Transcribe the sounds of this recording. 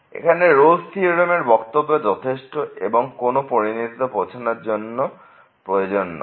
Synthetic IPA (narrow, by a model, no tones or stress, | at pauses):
ḛkʰaneɾolsiɾomeɾbɔkt̪obːed͡ʑɔt̪ʰeʃʈoḛboŋkonopoɾinit̪it̪opot͡ɕʰonaɾd͡ʑonːo | pɾojod͡ʑonːo̰